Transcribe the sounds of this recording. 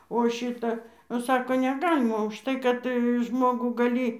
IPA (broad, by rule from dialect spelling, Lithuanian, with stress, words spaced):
oː ˈʃʲɪtɐ oː ˈsɑːkoː nʲɛˈɡɑːlʲɪmɐ ʊʃˈtɐɪ kɐt ˈʒmoːɡuː ɡɐˈlʲiː